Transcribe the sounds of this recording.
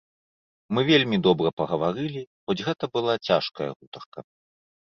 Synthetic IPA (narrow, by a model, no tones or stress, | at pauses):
mɨvʲelʲmʲid̪ɔbɾɐpɐɣɐvaɾɨlʲixɔd͡zʲɣɛt̪ɐbɨlˠat͡sʲaʂkɐ̰jɐ̰ɣut̪ɐrkɐ